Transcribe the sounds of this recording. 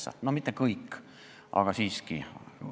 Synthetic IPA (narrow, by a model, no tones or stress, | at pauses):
sːɑ̰nomit̪ːekɤjkː | ʔɑ̰ɡ̥ɑsiːski